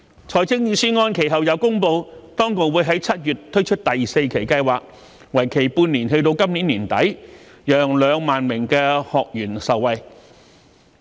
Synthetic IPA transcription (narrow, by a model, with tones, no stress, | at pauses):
t͡sʰɔː˨˩jt͡sɪ˥ŋjiː˨˧syː˥ŋɔː˧nkʰe˨˩jɦɐ˨wjɐ˨˧wkʊ˥ŋpo˧wt̪ɔː˥ŋkʊ˨k̚wuː˨˧jɦɐ˨˥jt͡sʰɐ˥t̚jyː˨˩tt̪ʰɵ˥ɥt͡ʃʰɵ˥t̚t̪ɐ˨jse˧jkʰe˨˩jkɐ˧jwaː˨˩k̚ | wɐ˨˩jkʰe˨˩jpuː˧nliː˨˩nhɵ˧ɥt̪o˧wkɐ˥mniː˨˥nliː˨˩nt̪ɐ̰˨˥j | jœː˨ŋlœː˨˧ŋmaː˨nmɪ˨˩ŋkɛː˧hɔː˨k̚jyː˨˩nsɐ˨wwɐ˨˧j